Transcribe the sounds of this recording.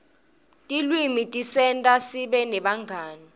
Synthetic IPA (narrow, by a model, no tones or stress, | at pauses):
tʼilwimitʼisɛntʼasiɓɛnɛɓaŋɡʱaːni